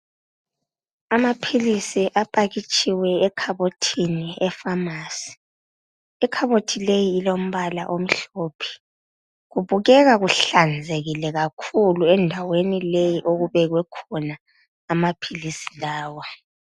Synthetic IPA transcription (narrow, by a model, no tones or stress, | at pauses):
amapʰilisiʔapʼaɣit͡ʃʼiwɛɛkʰaβotʰiniɛfamaːsi̥ | ɛkʰaβotʰilejiːlom̩βala̰ʔom̩ɬoːpʰi̥ | ɣuβuɣɛɣaɣuɬand͡zʱeɣilɛɣakʰuluɛndʱawenilejiʔoɣuβɛɣwɛkʰɔnaː | mapʰilisi̥laːwɔ